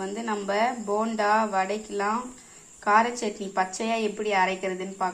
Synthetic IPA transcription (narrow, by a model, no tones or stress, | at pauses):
ʋɐnd̪ɯnɐmbɐboːɳɖaːʋɐɽɐɪkːɪlãː | kaːɾɐt͡ʃːet̪nipɐt͡ʃːɐjaːɛpːɐɽiɐɾɐɪkːɪɾɐðɯnːɯpaːɾ